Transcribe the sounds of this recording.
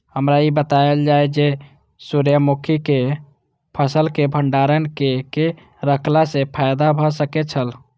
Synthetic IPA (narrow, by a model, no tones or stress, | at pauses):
ɦəmɾaibət̪aeld͡ʒajd͡ʒe | suɾjəmukʰike | pʰəsəlkebʱəɳɖaɾənkeke | ɾəkʰlasepʰajd̪abʱɔsəkɛt͡ʃʰəl